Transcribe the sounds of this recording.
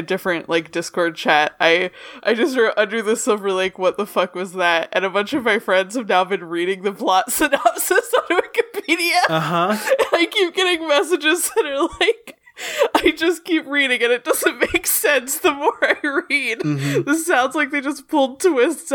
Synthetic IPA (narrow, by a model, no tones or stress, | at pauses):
ɨdɪfɹɨ̃nʔlʔaɪk̚d̥ɪskɔɹd̚t͡ʃʰæt̚aɪʔaɪd͡ʒʌs̬tə˞ʔʌ̃ndə˞ðɨsʌʊvə˞laɪkwʌt̪̚ðəfʌkwʌzðɨt̚ɨ̰̃nɨbʌ̃nt͡ʃʌvmaɪfɹɛ̃ndz̥ɨvnaʊbɨ̃nɹiɾɪ̃ŋðɨpʰl̥ɑtsɨnɑpsɨsnɨɪkɨpiɾiɨʌɦʌɨ̃naɪkip̚ɡ̥ɛɾɪ̃ŋmɛsɨd͡ʒɨzðɨɾə˞laɪk | aɪd͡ʒʌskipɹiɾɪ̃ŋɨ̃nɨt̚d̥ʌzɨ̃nmeɪksɛ̃nsðəmɔɹaɪɹid̥ðɪssãʊ̃ndz̥laɪk̚ðeɪd͡ʒʌspʰʊlˠd̚tʰwɪst